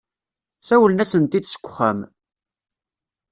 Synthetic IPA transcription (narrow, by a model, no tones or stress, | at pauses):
sæwəlnæsənt̪id̪sə̥kʷːə̥χæ̰m